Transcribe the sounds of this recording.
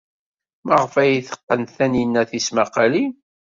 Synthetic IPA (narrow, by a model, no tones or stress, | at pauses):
məʁəfæjiθə̥qːənθænjənːæθismaqɑli